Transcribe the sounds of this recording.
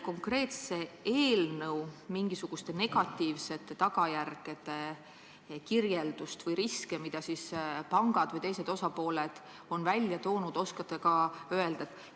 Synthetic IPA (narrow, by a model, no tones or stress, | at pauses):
ko̞ŋkre̞ːt̪se̞eːlnɤwmiŋɡ̥isuɡ̥ust̪e̞ne̞ɡ̥ɑt̪ːiːvse̞t̪ːt̪ɑɡ̥ɑjærɡ̥e̞d̪̥e̞ | kirje̞ld̪̥ust̪vɤjɾiskemid̪̥ɑsispɑŋɡ̥ɑd̪̥vɤjt̪e̞jse̞d̪̥o̞sɑpo̞ːle̞d̪̥ | o̞nvælʲjɑt̪o̞ːnud̪̥o̞skɑt̪ːekɑøe̞ld̪̥et̪ːˑ